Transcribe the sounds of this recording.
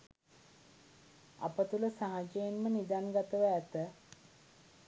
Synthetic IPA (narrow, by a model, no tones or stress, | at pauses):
a̰pət̪uləsaɦad͡ʒəjenmənid̪anɡat̪əʋəæt̪ə